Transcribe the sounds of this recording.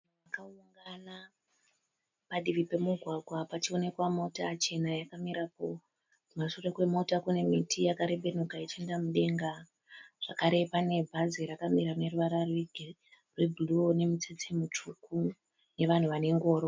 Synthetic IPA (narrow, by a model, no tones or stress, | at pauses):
ʋakauŋɡana | paɗiʋipe̞muɡʱwaɡʱwapat͡ʃio̞ne̞kwamo̞tat͡ʃe̞najakamiɾapo̞ | masurekwe̞mo̞takune̞mitʰijakaɾe̞ɓe̞n̤ukait͡ʃiendamuɗe̞ŋɡa | ʐ̥akaɾe̞pane̞bʱaziɾakamiɾane̞ruʋaɾarw | rwebʱuluone̞mit͡set͡semut͡ʂuku | ne̞ʋan̤uʋane̞ŋɡo̞ːɾo̞